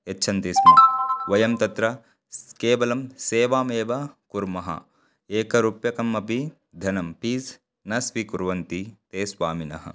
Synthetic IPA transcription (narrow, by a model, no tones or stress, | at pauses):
etːt͡ʃʰɐnt̪ismɐʋɐjɐmt̪ɐt̪ɾɐ | keːʋɐlɐmseːʋaːmeːʋɐkuɾmɐɦɐ̰ | eːkɐɾupjɐkɐmːɐpi | d̪ʱɐnɐmpiːs | nɐsʋikuɾʋɐnt̪it̪eːsʋaːminɐ̰ɦɐ̰